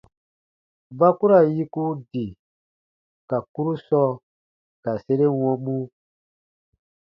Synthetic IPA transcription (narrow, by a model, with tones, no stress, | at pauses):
ba˦ku˦ɾa˨ji˦ku˦di˨ | ka˨ku˦ɾu˦sɔ˦ | ka˨se˦ɾe˦wɔ̃˦mũ˦